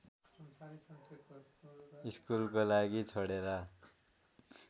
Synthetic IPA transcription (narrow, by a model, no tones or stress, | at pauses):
iskulkolaɡit͡sʰʌɽeɾʌ